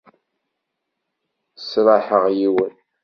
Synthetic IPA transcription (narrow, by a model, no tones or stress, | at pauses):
sɾˤɑħəʁjiwən